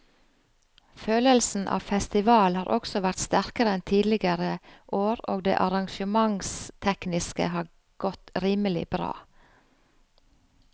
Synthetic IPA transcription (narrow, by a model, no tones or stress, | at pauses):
føːləlsn̩ʔɑ̰ːfɛst̪ɪʋɑːlhɑːɾʔɔksɔʋæɾt̪st̪æɾkəɾəɛnt̪ʰiːd̪lɪɡəɾəʔoːɾoːɡ̚d̪ḛːʔɑɾɑŋʃəmɑŋst̪ʰɛknɪskə̰hɑː | ɡ̥ɔt̪ɾiːməlɪ̰bɾɑ̰ː